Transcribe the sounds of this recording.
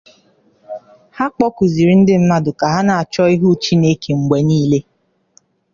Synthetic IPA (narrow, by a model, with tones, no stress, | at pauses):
ha˦k͡pɔ˦ku˨zi˨ɾi˨˦n̩˦dɪ˦m̩˦ma˦dʊ˨ka˨ɦa˦na˨a˨t͡ʃɔ˦i˦ɦu˦t͡ʃi˦ne˦ke˨ŋ͡m̩˨ɡ͡bʷe˨niː˦le˦